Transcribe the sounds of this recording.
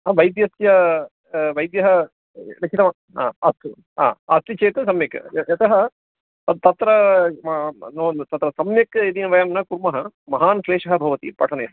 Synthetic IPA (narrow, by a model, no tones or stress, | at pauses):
aʋɐjd̪jɐsjɐ | ʋɐjd̪jɐɦɐ | nɐt͡ʃʰit̪ɐmɐ | a̰ːɐst̪u | a̰ːɐst̪it͡ʃeːt̪ɐsɐmjɐkjɐt̪ɐɦɐ | t̪ɐt̪ɾɐ | noːnt̪ɐt̪ɾɐsɐmjɐked̪inɐʋɐjamnɐkuɾmɐɦɐmɐɦaːnsleːʂɐɦɐ̆bʱɐʋɐt̪ḭpɐʈʰɐneːs